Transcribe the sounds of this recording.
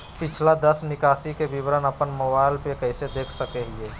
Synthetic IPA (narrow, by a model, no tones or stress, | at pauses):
pɪt͡ʃʰlad̪əsnɪkaːsikeʋɪʋɾənəpənməbaːɪlpekɛɪsed̪eːkʰsəkeɦɪeː